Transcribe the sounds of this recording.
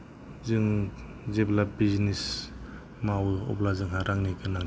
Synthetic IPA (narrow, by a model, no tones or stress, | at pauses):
zɯŋ | zeblabiznis | mawɔ̰plazɯŋɦaɾaŋnikɯnaŋ